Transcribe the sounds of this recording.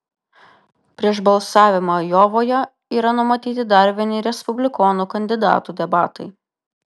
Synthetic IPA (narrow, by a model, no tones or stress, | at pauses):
pʲɾʲiɛʃbɐlˠsɑːʋʲɪmoːjɔːʋoːjɛ | iːɾɐnʊmɐt̪ʲiːt̪ʲɪd̪ɐɾʲʋʲiɛnʲɪɾʲɛspʊbʲlʲɪkɔːnuːkɐnʲd̪ʲɪd̪ɑ̰ːt̪uːd̪ʲɛbɑːt̪ɐɪ